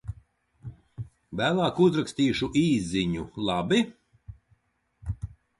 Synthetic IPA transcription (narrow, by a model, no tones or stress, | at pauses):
væːlˠaːkuzɾakst̪iːʃuʔiːzːiɲulˠabi